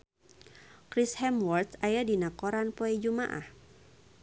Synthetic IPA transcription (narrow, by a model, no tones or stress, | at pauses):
kɾishɛmwɔrt̪sajadinakɔɾanpɔɛd͡ʒuma̰ʔa̰h